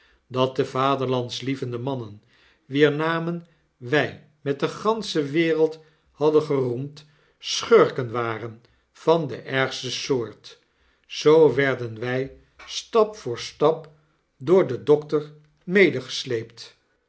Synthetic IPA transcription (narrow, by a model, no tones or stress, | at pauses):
dɑt̚dəvaːdəɹlɑntslivəndəmɑnən | ʋiːɹnaːmən | ʋɛj | mɛt̚dəχɑnsəʋɪːrəlˠt | hɑdənχərumt | sχøɹkənʋaːrən | v̥ɑndə̰ʔɛɹχstəsʊːɹt | z̥owʋɛɹdənʋɛj | stɑpfʊːɹstɑp | dʊːɹdədɔktəɹ | mejdəχə̥slejpt